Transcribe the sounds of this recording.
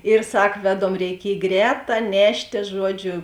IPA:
ɪr ˈsɐk ˈʋʲæːˌdoːm rʲɛɪˈkʲiɛj ˈɡrʲɛːˌtɑː ˈnʲæːʃʲtʲeː ˈʒuɔˌd͡ʒʲʊ

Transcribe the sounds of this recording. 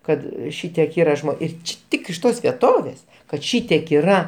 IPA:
ˈkɐt ˈʃʲɪtʲiɛk ˈiːrɐ ˈɪr ˈt͡ʃʲɪ ˈtʲɪk ɪʃ ˈtoːs ʋʲiɛˈtoːʋʲeːs kɐt ˈʃʲiːtʲiɛk iːˈrɐ

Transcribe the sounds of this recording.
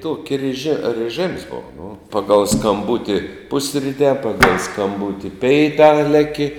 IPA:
ˈtoːkʲɪ rʲɛˈʒʲɪ rɨˈʒɨms ˈboːʋɐ nʊ ˈpɑːɡɐlˠ skɐmˈbʊtʲɪ ˈpʊsʲrʲɪtʲɛː ˈpɑːɡɐlˠ skɐmˈbʊtʲɪ ˈpʲɛɪtɑː ˈlʲæːkʲɪ

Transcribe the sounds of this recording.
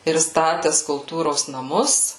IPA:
ɪr ˈstɑːtʲɛs kʊlˠˈtuːroːs nɐˈmʊs

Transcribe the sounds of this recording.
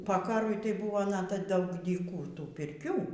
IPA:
poː ˈkɑːrʊɪ tɐɪ ˈbʊʋoː ˈnɑːtɐ ˈbʊʋoː ˈdɐʊk dʲiːˈkuː ˈtuː pʲɪrʲˈkʲuː

